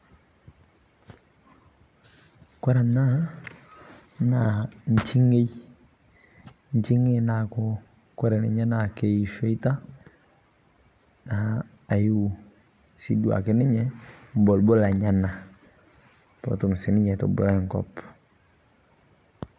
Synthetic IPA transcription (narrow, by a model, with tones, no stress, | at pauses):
kwɛ˦ɾa˨na˦ | na˨ɲ̩˨t͡ʃi˦ŋe˦i˦ | ɲ˦t͡ʃi˦ŋe˦na˨kɔ˦ | kɛ˦ɾɛ˨nɛ˨ɲa˦na˨ke˨i˨fe˦i˦ta˦ | naː˨˦˨ | ju˦˨ | si˦du˨a̰˨ke˦nɪ˦ɲɛ˦m̩˦bɔ˨lbɔ˦la˨ɲa˦na˨ | pɔ̰˨tu˨m˨si˨nɪ˦ɲɛ˨tɔ̰˨bɔ̰˨la˦˨ŋ˨kɔ̰˨p